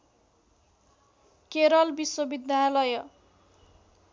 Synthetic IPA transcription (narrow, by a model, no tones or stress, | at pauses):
keɾʌlbiswʌbid̪ʱjalʌjʌ